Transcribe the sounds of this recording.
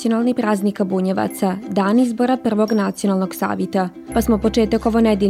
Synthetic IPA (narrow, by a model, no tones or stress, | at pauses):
io̞nalˠnipɾaːznikabuɲeʋa̰t̪sad̪aːnizboɾapr̩ʋo̞ɡnat̪sio̞nalˠno̞ɡsa̰ːʋjet̪a | pasmopo̞t͡ʂe̞ːt̪akoʋonɛd̪i